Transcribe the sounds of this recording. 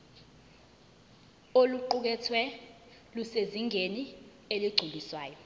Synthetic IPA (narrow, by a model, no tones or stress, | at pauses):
oluǃuk̬ɛtʰwɛ | luseziŋʱeni | eliɡ͡ǀʱuliswaːjɔ